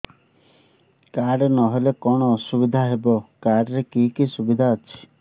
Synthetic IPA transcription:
kaɽnɔɦelekɔɽ̃ɔːsubid̪ʱaɦebɔkaɾɾekikisubid̪ʱaət͡ʃʰi̥

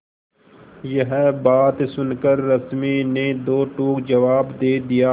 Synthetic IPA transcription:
jəɦbaːt̪sʊnkəɾːəsmined̪oːʈuːkd͡ʒəʋaːbd̪eːd̪ijaː

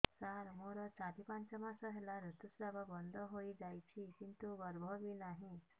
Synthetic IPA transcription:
saɾmuɾɔt͡sat̪ipãnt͡ɕəmãsəɦelaɾut̪usɾababɔnd̪ʱɔɦoid͡zajt͡ɕʰikint̪uɡəɾbʱɔʋinaɦĩ

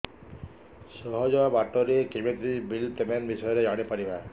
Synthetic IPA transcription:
sɔɦɔd͡ʒɔabaʈɔɾiekimet̪ɾibilt̪emenbisɔjɔɾed͡ʒaɽ̃epaɾiba

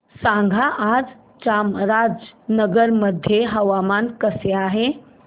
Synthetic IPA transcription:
sãŋɡʱaʔaːd͡z | t͡ʃaːmɾad͡ʒnəɡəɾməd̪ʱjeɦɐʋamaːnkəseaːɦe

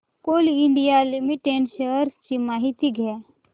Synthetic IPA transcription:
koliɪɳɖijalimiʈeɳʃəɾst͡ʃimaːɦit̪iɡʱɛ

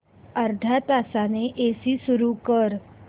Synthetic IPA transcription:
əɾd̪ʱat̪aːsaneʔeːsisʊɾukəɾ

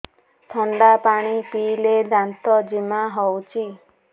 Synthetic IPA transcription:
t̪ʰɔɳɖapaɽ̃ipiled̪ant̪ɔd͡ʒimaɦɔwt͡ʃʰi

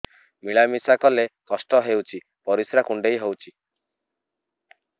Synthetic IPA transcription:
miɭamisakɔlekɔsʈɔɦewt͡ʃʰi | pɔɾisɾakuɳɖejɦɔwt͡ʃʰi

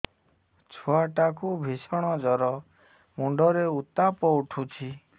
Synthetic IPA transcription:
t͡ʃʰɔaʈakubʱisɔɽ̃ɔd͡ʒɔɾɔ | muɳɖʱɔɾeut̪ːapɔuʈʰut͡ʃʰi

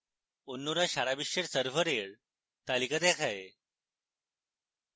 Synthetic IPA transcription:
onːuɾaɕaɾabiɕeɾsəɾfəɾeɭ | t̪alikət̪ekʰae

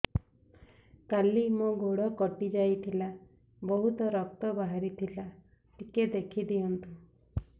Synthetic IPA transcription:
kalimoɡoɽɔkɔʈid͡ʒajt̪ʰila | bɔɦut̪ɔɾɔk̚t̪ɔbaɦaɾit̪ʰila | ʈiked̪ekʰid̪iɔnt̪u

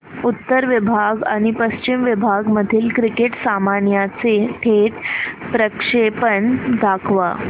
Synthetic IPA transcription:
ut̪ːəɾʋibʱaɡaɽ̃ipəɕt͡ɕimʋibʱaɡməd̪ʱiːlkɾikeʈsamanjat͡seʈʰeʈpɾəkʂepəɳd̪ʱakʰʋa̰

